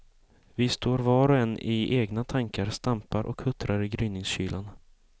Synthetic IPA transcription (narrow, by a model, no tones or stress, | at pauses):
vɪst̪oːɾvɑːɾɔɛnːʔɪeːɡnat̪ʰaŋkaɾst̪ampaɾʔɔ̰khɵt̪ɾʔaɾɪɡɾyːnɪŋsɕyːlʔan